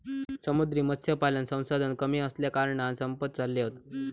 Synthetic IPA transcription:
səmud̪ɾiːmət̪sʰjəpalənsə̃w̃sad̪ʱənkəmiːəsljakaɾɳansəmpət̪̚t͡salːeot̪

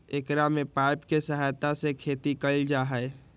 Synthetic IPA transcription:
ekɾamẽpaːɪpkesəɦaːjt̪asekʰeːt̪ikɐld͡ʒaɦɛe

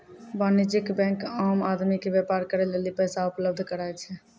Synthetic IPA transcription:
banid͡ʒikbɛ̃kamad̪mikebjepaɾkəɾɛlelipəjsaupləb̚d̪ʱkəɾajt͡ʃʰɛ

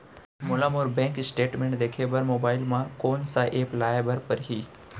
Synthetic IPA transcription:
mʊlaːmʊɾbɛ̃ːŋkɪsʈeːʈmẽɳʈd̪eːkʰebəɾmoːbaːɪlmãkoːnsaʔeːplaːjbəɾpɐɾɦiː

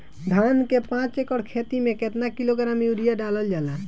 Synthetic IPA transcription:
d̪ʱankepãt͡ʃekəɽkʰet̪imẽket̪nakiloɡəɾamjuɾijaɖaləld͡ʒaːla

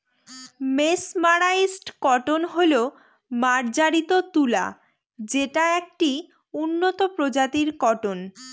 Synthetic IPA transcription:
mesmaɾaisʈkɔʈonɦolo | maɾd͡ʑaɾit̪ot̪ula̰ | d͡ʑeʈaek̚ʈi | unːot̪opɾod͡ʑat̪iɾkɔʈon

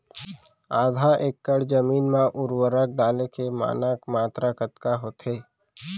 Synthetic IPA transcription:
aːd̪ʱaʔeːkːəɽd͡ʒəmiːnmãʔʊɾwəɾək̚ɖaːlekema̰ːnaːkmaːt̪ɾakət̪kaɦoːt̪eː

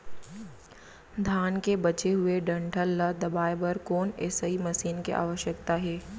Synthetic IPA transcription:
d̪ʱaːnkebɐt͡ʃeɦʊeɖɐ̃ɳʈʰəlːɐd̪ɐbaːebɐɾkoːneːsəimɐsiːnkḛʔa̰ːʋəʃjəkt̪aɦeː

